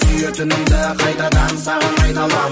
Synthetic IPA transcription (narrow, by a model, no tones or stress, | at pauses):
ʏjøt̪ɪnɪmd̪ɪqʰɑjt̪ɑd̪ɑnsɑnɑjnɑlˠɑ